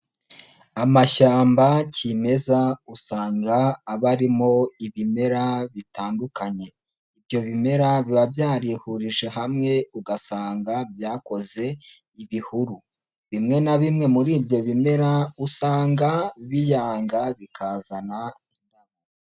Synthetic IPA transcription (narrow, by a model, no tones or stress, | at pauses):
amaʃaːmbacime̞zausaːŋɡaːβaɾimo̞iβime̞ɾaβitaːndukaɲe̞ | ibjo̞βime̞ɾaβiβabjaːɾihuɾiʒe̞ɦamŋe̞uɡasaːŋɡabjaːko̞ze̞ | iβihuɾu | βimŋe̞naβimŋe̞muɾiːbjo̞βime̞ɾausaːŋɡaβijaːŋɡaβikʰaːzanaindaβa